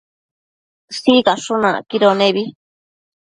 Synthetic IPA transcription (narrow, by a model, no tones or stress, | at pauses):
sikãʂunã̰kiɾonẽβi